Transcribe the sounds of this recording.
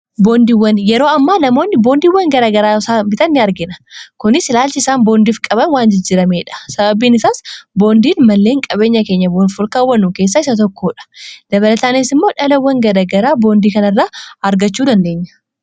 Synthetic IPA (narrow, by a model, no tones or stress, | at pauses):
bo̞ːnd̪iːwːɐnjɛɾo̞ːɐmːaːnɐmo̞ːnːɪbo̞ːnd̪iːwːɐŋɡɐɾaːɡɐɾaːsabɪt̪ɐnːɪɐɾɡɪnɐ̥kʊnɪsɪlaːlt͡ʃɪɪsaːnbo̞ːnd̪iːfkʼɐbɐnwaːnd͡ʒɪd͡ʒɪɾɐme̞ːᶑɐ̥sɐbɐbiːnɪsaːsbo̞ːnd̪iːnmɐlːeːŋkʼɐbe̞ːɲːɐke̞ːɲːɐboːnfʊlkaːwːɐnːuke̞ːs̬ːaɪsɐt̪ɔkːoːᶑɐ̥d̪̥ɐβɐlɐt̪aːnesɪmːo̞ːᶑɐlɐwːɐŋɡɐɾɐɡɐɾaːbo̞ːnd̪iːkɐnɐrːaːɐɾɡɐt͡ʃːuːd̪ɐnd̪e̞ːɲːɐ̥